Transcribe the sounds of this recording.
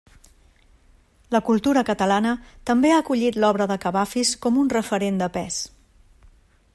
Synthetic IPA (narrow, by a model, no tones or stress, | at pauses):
ləkulˠt̪uɾəkət̪əlanət̪əmbeaəkuʎit̪lɔβ̞ɾəðəkəβafiskɔmunrəfəɾend̪əpɛs